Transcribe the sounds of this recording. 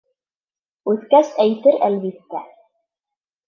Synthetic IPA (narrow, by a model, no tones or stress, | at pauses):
ʉθkæsæjt̪ɘɾælβit̪ːæ